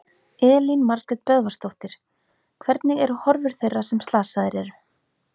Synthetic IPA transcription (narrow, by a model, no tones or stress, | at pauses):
ɛːlinmaɾkɾɛt̪̚pœðvast̪owht̪ɪɾ̥ | kʰvɛɾt̪nɪɣɛɾʏhɔɾvʏɾ̥θejrːasɛmst̪aːsaðɪɾɛɾʏ